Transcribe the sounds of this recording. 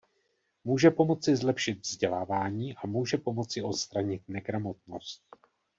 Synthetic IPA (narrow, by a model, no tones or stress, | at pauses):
muːʒɛpo̞mo̞t͡sɪzlɛpʃɪt̪vzɟɛlaːvaːɲiːʔamuːʒɛpo̞mo̞t͡sɪo̞t̪st̪ɾaɲɪt̪̚nɛɡɾamo̞t̪̚no̞̰st̪̚